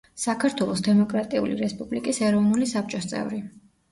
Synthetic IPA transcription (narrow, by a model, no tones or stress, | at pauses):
sakʰaɾt̪ʰwɛlˠɔsd̪ɛmɔkʼɾat̪ʼiṵlḭɾɛspʼublikʼisɛɾɔvnulisap̚t͡ʃʼɔst̪sʼɛ̰vɾi